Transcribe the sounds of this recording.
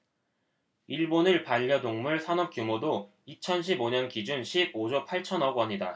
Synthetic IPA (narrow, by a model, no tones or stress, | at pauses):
iɭbonɯɭpaʎːʌdoŋmuɭsʰanʌp̚k͈jumodo | it͡ɕʰʌnɕʰiboɲʌnkid͡ʑunɕʰib̚od͡ʑopʰaɭt͡ɕʰʌnʌɡʌɲida